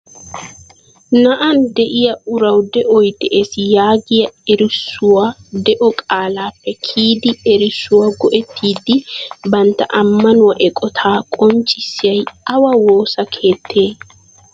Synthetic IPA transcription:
nɐʔɐnd̪ɛʔɪjɐʊɾɐwd̪ɛʔɔjd̪ɛʔeːsɪjaːɡɪjɐɛɾɪsːʊwad̪ɛʔɔkʼaːlaːpːɛkʰiːd̪ɪɛɾɪsːʊwɐɡɔʔɛt̪ːiːd̪ɪbɐnt̪ɐ̰ʔɐmːɐnʊwɐʔɛkʼɔt̪ʰaːkʼɔnt͡ʃʼɪsːɪjɐjɐwɐwoːsɐkʰe̞ːt̪ʰːe̞ː

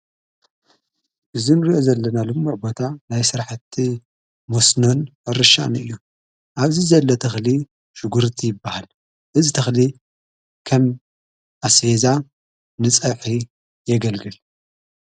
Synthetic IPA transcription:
ʔɨzinɨɾiʔozɐlːɐnalɨmːuʕbo̞t̪ʰanajsɨɾħt̪ʰːi | mosnonɨɾɨʃa̰nɨjːu | ʔaβzizɐlːot̪ʰɐxli | ʃuɡuɾt̪ʰijɪbːahal | ʔɨzit̪ʰɐxli | kʰɐm | ʔasfeza | nɨt͡sʼɐħi | jɛɡɐlɡɨl

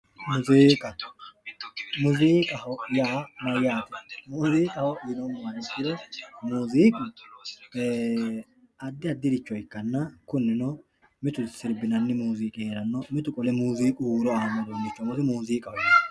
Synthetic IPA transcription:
mʊziːkʼɐ | mʊzikʼɐɦɔjaːmɐjaːt̪ɪ̥muːziːkʼɐhɔɪnɔmmɐnɪtːɪd̪ɔmuːziːkʼʊ | ɐd̪ːɪɐd̪ːɪd̪ɪt͡ʃːɔɪkːɐnːɐkʊnːɪnɔ | mɪt̪ʊsɪɾbɪnɐnːɪmuːziːkʼeɾɐnːɔmɪt̪ʊkʼɔlɛmuːziːkʼuːɾɔɐɐmɐd̪onːɪt͡ʃːɔmɔzɪmuːziːkʼɐhɔɪ

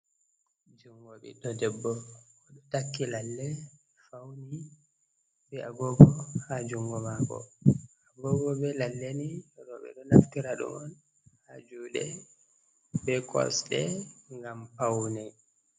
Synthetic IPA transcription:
d͡ʒuŋɡoɓḭtɔdɛbːɔkɔɗɔtakːilalːɛ | fawni | bɛʔaɡɔɡɔhad͡ʒuŋɡɔmakɔ̰aɡɔɡɔbɛlalːeniɾɔɓɛ̰ɗɔnaftiɾaɗṵmɔn | had͡ʒuɗɛ | bɛkʰɔ̰sɗɛŋɡampawnɛ

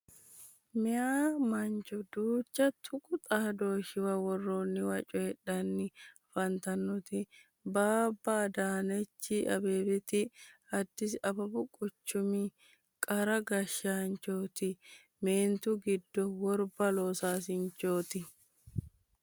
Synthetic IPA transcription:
mɪaːmɐɲt͡ʃʼɔd̪uːt͡ʃːɐt̪ʰʊkʼʊt̪ʼaːd̪o̞ːʃɪwɐwɔrːoːnːɪwɐt͡ʃʼɔhɛᶑːɐnːɪfɐnt̪ɐnːɔt̪ɪ | baːbːɐd̪aːnɛt͡ʃːɪʔɐ̰beːbɛt̪ɪɐd̪ːɪsɐbɐbʊkʼʊt͡ʃːʊmi | kʼɐɾɐɡɐʃaːnt͡ʃoːt̪ɪ | meːnt̪ʊɡɪd̪ːɔwɔɾbɐloːsaːs̬ɪɲt͡ʃːoːt̪ɪ

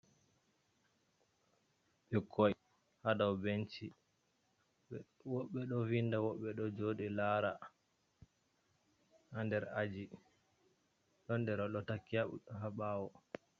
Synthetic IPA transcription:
ɓikʰːɔj | hadawbent͡ʃi | wɔɓːɛɗɔvindawɔɓːɛɗɔd͡ʒoɗilaːɾa | handɛɾad͡ʒi | ɗɔndɛɾɔɗɔtakːiahaɓawɔ

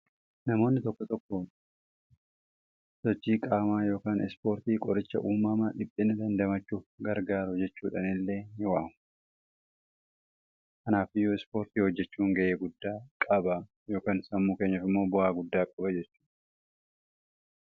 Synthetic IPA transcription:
nɐmo̞ːnːɪt̪ɔkːɔt̪ɔkːɔ | sɔt͡ʃːiːkʼaːmaːjo̞ːkaːnɪspo̞ːɾt̪iːkʼɔɾɪt͡ʃːɐ̰ʔuːmaːmɐnᶑɪpʼːɪnɐd̪ɐnd̪ɐmɐt͡ʃːuːfɡɐɾɡaːɾʊd͡ʒɛt͡ʃːuːᶑɐnɪlːeːjɪwaːm | kɐnaːfɪjoɪspo̞ːɾt̪iːhɔd͡ʒːɛt͡ʃːuːŋɡɐʔeːɡʊd̪ːaːkʼɐbaː | jo̞ːkaːnsɐmːuːke̞ːɲːɐfɪmːo̞ːbʊʔaːɡʊd̪ːaːkʼɐbɐd͡ʒɛt͡ʃːuːᶑɐ̥

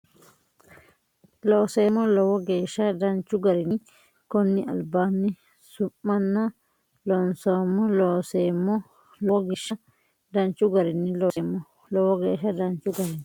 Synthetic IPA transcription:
lɔsɛmɔlɔwɔɡɛʃadant͡ʃuɡaɾini | konːiʔa̰lbani | sumːanːa | lɔnsɔmɔlɔsɛmɔ | lɔɡiʃa | dant͡ʃuɡaɾinilɔɛmɔ | lɔwɔɡɛʃadant͡ʃuɡaɾini

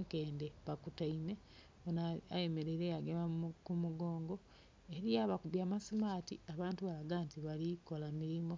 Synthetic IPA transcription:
ŋkeːndeβakutaime̞ | onaajeme̞ɾeɾejaɡemakumuɡo̞ːŋɡo̞ | eɾijaβakuβjamasimaːtiaβaːntuβalaɡaːntiβaliko̞lamiɾimo̞

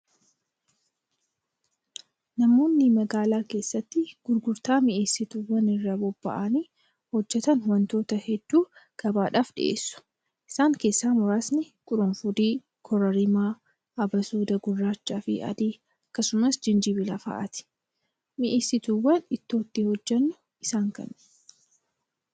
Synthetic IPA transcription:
nɐmo̞ːnːɪmɐɡaːlaːke̞ːsːɐt̪ːɪɡ̥ʊɾɡʊɾt̪aːmɪʔeːsːɪt̪uwːɐnɪrːɐbɔbːɐ̰ʔaniː | hɔd͡ʒːɛt̪ɐnhʊwɐnt̪o̞ːt̪ɐhɛd̪̥ːuːɡ̥ɐbaːᶑaːfᶑɪ̰ʔḛːsːʊ̥ | ʔɪsaːŋke̞ːsːaːmʊɾaːsnɪ | kʼʊɾɔnfʊd̪iː | kʰɔɾɐɾɪmaː | ʔɐbɐsuːd̪ɐɡʊrːaːt͡ʃːaːfɪ̰ʔɐ̰d̪iː | ɐkːɐsʊmɐsd͡ʒɪnd͡ʒɪbɪlɐfɐ̰ʔɐ̰t̪ɪ̥ | mɪʔeːsːɪt̪uwːɐnɪt̪ːo̞ːt̪ːihɔd͡ʒːɐnːʊ | ʔɪsaːŋkɐ̰n

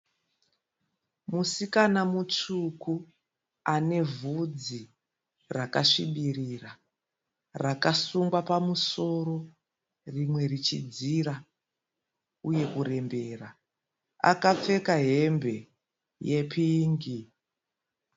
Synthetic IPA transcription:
musikanamut͡ʂuku | ane̞vud͡zi | rakaʂiɓirira | rakasuŋɡwapamuso̞ɾo̞ | rimwe̞rit͡ʃḭd͡ziːɾa | uje̞kuɾe̞mbe̞ːra | a̰kap͡fe̞kaɦe̞mbe̞ | je̞pʰiːŋɡi

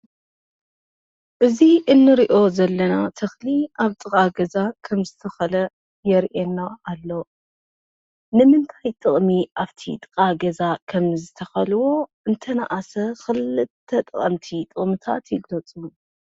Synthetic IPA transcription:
ʔɨziʔɨnːɨɾiʔo̞zɐlːɐnat̪ʰɨxliʔaβt̪ʼɨkʼaɡɐzakʰɐmzɨt̪ʰɐxɐlɐ | jɛɾʔenːaalːo̞ | nɨmɨnt̪ʰajt̪ʰʼɨχʼmiʔaβt̪ʰḭt̪ʼɨ̥kʼaɡɐzakʰɐmzɨt̪ʰɐxɐlwo̞ʔɨnt̪ʰɐna̰ʔasɐxɨlɨtʰːɐt̪ʼχʼɐ̰mt̪ʰit̪ʼɨʔʼmɨt̪ʰa̰t̪jilot͡sʼun

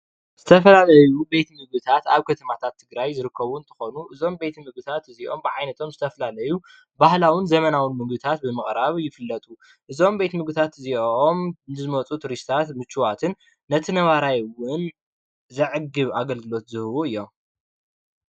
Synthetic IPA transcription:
z̥ɨt̪ʰɐfɐlalɐjube̞t̪mɨɡ̚bɨt̪ʰat̪a̰βkʰɐt̪ʰɐmat̪ʰat̪ʰːɨɡɾajzɨɾɨkːɐβunt̪ʰɨ̥xo̞nuʔɨzo̞mbe̞t̪mɨɡ̚bɨt̪ʰat̪ɨziʔo̞̰mbɨʕajnɐt̪ʰo̞mzɨt̪ʰɐfɐlalɐju | bahlawɨnzɐmɐnawɨnmɨɡbɨt̪ʰat̪̚bɨmɨχʼɾaβjɪfɨlːɐt̪ʼu | ʔɨzo̞mbe̞t̪mɨɡɨt̪ʰat̪ɨziʔomnɨzɨmɐt͡sʼut̪ʰuɾist̪ʰat̪mɨt͡ʃːuwat̪ʰɨnː | ɐt̪ʰɨnɐβaɾajwɨn | zɐʕɨɡɨβaɡɐlɡɨlo̞t̪zɨhɨwuɨjːo̞m

